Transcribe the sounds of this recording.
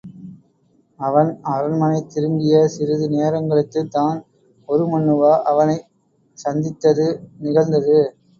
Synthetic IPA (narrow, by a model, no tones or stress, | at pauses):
ɐʋɐnɐɾɐnmɐnɐɪt̪ːɪɾɯŋɡɪjɐsɪɾɯðɯneːɾɐŋɡɐɭɯkːɯt̪ːaːn | ɔɾɯmɐɳːɯʋaːʔɐʋɐnɐɪ | sɐnd̪ɪt̪ːɐðɯnɪɣɐɭnd̪ɐðɯ